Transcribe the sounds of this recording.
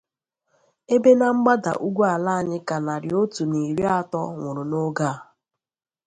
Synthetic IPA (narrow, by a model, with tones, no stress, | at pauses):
e˦be˦na˦ŋ͡m̩˦ɡ͡ba˦da̰˨ʔu˦ɡʷu˦a˨la˦˨ɲɪ˦ka˨na˨ɾɪ˨o˦tu˨ni˨ɾi˦a˦tɔ̰˦ŋʷʊ˨ɾʊ˨no˦ɡa˦˨